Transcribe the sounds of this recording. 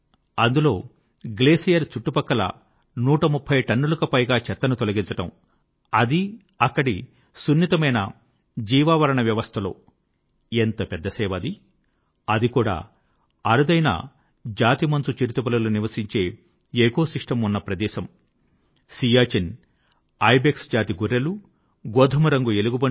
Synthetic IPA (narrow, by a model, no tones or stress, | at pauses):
ɐnd̪ulo̞ː | ɡleːsijɐɾt͡ʃuʈːupɐkːɐlɐ̰ | nuːʈɐmupʰːɐjʈɐnːulɐkɐpɐjɡaːt͡ʃɛt̪ːɐnut̪olɐɡiɲt͡ʃɐʈɐm | ɐd̪i | ɐkːɐɽi | sunːit̪ɐmɐjnɐ̰ | d͡ʒiːʋaːʋɐɾɐɳɐʋjɐʋɐst̪ʰɐlo̰ː | ent̪ɐpɛd̪ːɐsɛːʋɐd̪i | ɐd̪ikuːɽa̰ː | ɐɾud̪ɐjnɐ̰ | d͡ʒaːt̪imɐnsut͡ʃiɾit̪upɐlɐluniʋɐsiɲt͡ʃe̞ː | eːkoːsiʂʈɐmunːɐpɾɐd̪ɛːʃɐm | sijaːt͡ʃin | ɐjbeksd͡ʒaːt̪iɡuɾːɐlu | ɡoːd̪ʱɐmuɾɐŋɡueluɡubɐ